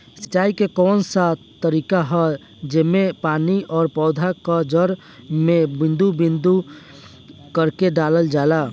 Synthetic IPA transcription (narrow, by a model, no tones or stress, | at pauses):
sə̥t͡ʃaːikekɔːnsa | t̪əɾiːkaɦɛ | d͡ʒemepaːniʔɔːɾpɔːd̪ʱakad͡ʒəɾ | mebɪ̃nd̪ubɪ̃nd̪u | kəɾkeɖaːləld͡ʒaːlaː